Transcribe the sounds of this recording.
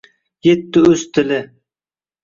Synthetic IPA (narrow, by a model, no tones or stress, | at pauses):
jet̪ːɪɵzt̪ʰɪlɪ